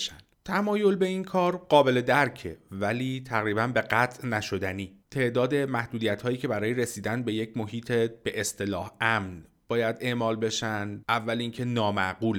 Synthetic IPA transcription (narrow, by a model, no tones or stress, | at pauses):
ʃæ̰n̥t̪ʰæmɒːjo̞lbe̞inkʰɒːɾɢɒːbe̞le̞d̪æɾcʰe̞væliːt̪ʰæɣɾiːbænbe̞ɢæt̪ʰʔnæʃo̞d̪æniːt̪ʰe̞ʔd̪ɒːd̪e̞mæhd̪uːd̪ijæt̪hɒːjiːcʰe̞bæɾɒːjeɾe̞siːd̪ænbe̞je̞cʰmo̞ɦiːt̪ʰeb̥e̞ʔest̪e̞lɒːhæmn | b̥ɒːjæd̪e̞ʔmɒːlbe̞ʃænd̪ʔævːælincʰe̞nɒːmæɡuːl